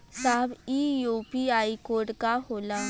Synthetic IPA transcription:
saɦbiːjuːpiaːikoːɾʈkahoːlaː

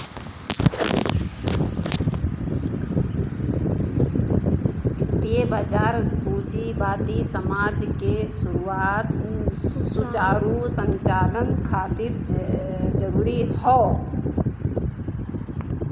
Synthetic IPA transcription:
t̪iebəd͡ʒaːɾbud͡ʒibaːt̪isəmad͡ʒkesuɾuat̪ | sut͡ʃaɾusə̃ɲt͡ʃaːlənkʰat̪iɾ | d͡ʒəɾuːɾihɔ

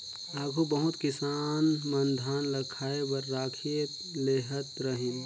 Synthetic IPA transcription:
aːɡʱubəɦʊt̪kɪsaːnmənd̪ʱaːnləkʰaːebəɾːaːkʰet̪ | leɦət̪ɾəɦin

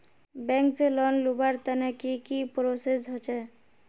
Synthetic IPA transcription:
bɛŋkselɔnlubaɾt̪anakikipɾosesɦɔt͡ʃɛ

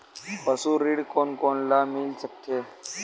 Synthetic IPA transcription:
pəsuːɾiɽkoːnkoːnlaːmɪlsək̚t̪ʰeː

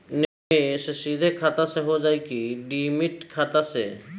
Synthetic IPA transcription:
ne | ssid̪ʱekʰat̪aseɦod͡ʒajkiɖimiʈkʰat̪asḛ

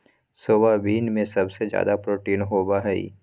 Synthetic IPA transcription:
soːbabʱiːnmẽsɐbsed͡ʒja̰ːd̪apɾoːʈiːnɦoːbaɦɛḭ

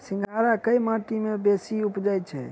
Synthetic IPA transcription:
sĩŋɡʱaɾakəjmaʈimebesiupd͡ʒajt͡ʃʰɛ̰

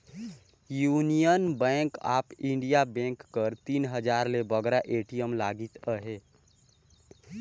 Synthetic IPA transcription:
juːnijənbɛ̃ːka̰ːpɪ̃ɳɖijabɛ̃ːŋkːəɾt̪iːnɦəd͡ʒaːɾlebəɡɾaʔeːʈijəmlaːɡit̪əɦeː

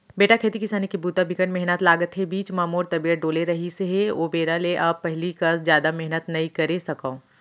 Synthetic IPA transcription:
beːʈakʰeːt̪ikɪsaːnikibuːt̪abʱɪkəʈmɛɦnət̪laːɡət̪ɦebiːt͡ʃmaːmoːɾt̪ɐbijəʈ̚ɖoːleɾɐɦiseɦeoːbeːɾaleʔɐpːɛɦlikɐsd͡ʒjaːd̪amɛɦnət̪nɐikɐɾesɐkãː

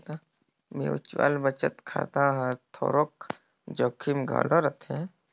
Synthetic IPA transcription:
t̪a | mḛ̃ʊ̰t͡ʃwa̰ːlbət͡ʃət̪kʰa̰ːt̪aɦãt̪ʰoːɾoːk | d͡ʒoːkʰimɡʱa̰ːloɾɐt̪ʰẽ

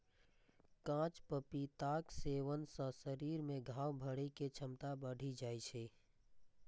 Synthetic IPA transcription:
kãt͡ʃpəpit̪aːkseʋənsə̃səɾiːɾmẽɡʱaːwbʱəɽeket͡ʃʰəmt̪abəɽ̤ʱid͡ʒaːjt͡ʃʰi

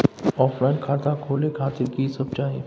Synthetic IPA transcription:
ɔːpʰlaɪnkʰaːt̪akʰoːlekʰaːt̪ɪɾkisɐb̚t͡ʃaːi

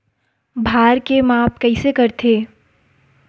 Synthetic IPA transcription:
bʱaːɾkemaːpkɐɪsekɐɾt̪ʰeː

